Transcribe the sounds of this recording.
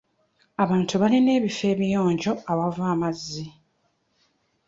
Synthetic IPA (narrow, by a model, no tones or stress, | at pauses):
aβaːntuβaline̞ːβife̞ːβijo̞ːɲɟo̞aβavaːmazːi